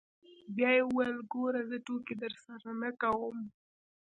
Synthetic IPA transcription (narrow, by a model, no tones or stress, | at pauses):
bjɑjeuwajlɡoɾazəʈoked̪əɾsaɾanakawəm